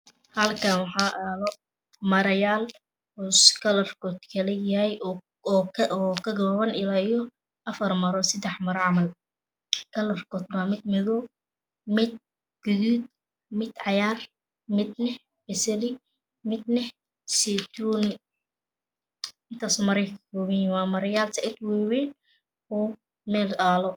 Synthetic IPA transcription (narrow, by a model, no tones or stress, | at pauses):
hɐlkʰɐnwɑħɑːʔɐðɔ | mɐɾɐjaːl | uskʰɐlɐrkʰɔːd̪kʰɐlɛjɐhɛj | kʰɐɡɔβɐnɪlaːijɔ | ʔɐfɐrmɐɾɔːsɐd̪ɛħmɐɾʕɑmɐl | kʰɐlɐrkʰɔːd̪bamɪd̪̚mɪðɔ | mɪd̪̚ | ɡ̥ʊðuːd̪̚ | mɪd̪ʕɑjaːr | mɪd̪̚nɛ | bɛsɐlɪ | mɪd̪nɛh | sɛt̪ʰuːn | ʔɪnt̪ʰaːsɔmɐɾɛjkʰɐ̥kʰɔːβɛjwaːmɐɾɐjaːlt̪ʰɐʔɪt̪wɛːwɛːn | ɔː | mɛːldaːlɔ